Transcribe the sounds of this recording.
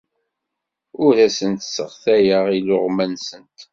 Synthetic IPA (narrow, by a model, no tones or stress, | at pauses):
ʊɾæsənt̪sːə̰ʁθæjəʁilʊʁmænsənt̪